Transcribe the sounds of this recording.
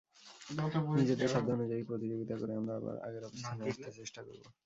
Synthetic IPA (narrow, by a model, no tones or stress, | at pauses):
nid͡ʑed̪eʃɔbd̪ʱonud͡ʑaipɾot̪̬id͡ʑoɡit̪akoɾeamɾaa̰ba̰ɾa̰ɡeɾɔpost̪ʰaneast̪ʰet͡ɕeʃʈako̰ɾbo̰